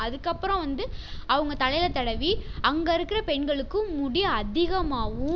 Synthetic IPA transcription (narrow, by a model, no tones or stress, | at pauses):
ɐðɯkːɐpːɯɾɔ̃ʋɐnd̪ɯɐʋɐŋɡɐt̪ɐlɐɪjlɐt̪ɐɽɐʋiɐŋɡɐɪɾɯkːɪɾɐpɛɳɡɐɭɯkːɯ̃ːʊɽɪjɐɐd̪ɪɣɐmaːʋɯ̃